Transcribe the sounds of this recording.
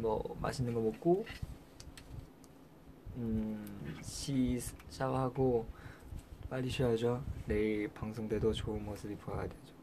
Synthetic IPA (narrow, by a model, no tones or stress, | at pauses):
mʌ̰ma̰ɕʰinɯnɡʌmok̚k͈o | ɯ | ɕʰiɕʰawhaɡo | p͈aʎːiɕʰɥiad͡ʑone̞ipaŋsʰoŋdwe̞dot͡ɕoɯnmʌsʰɯbipoajadwe̞d͡ʑo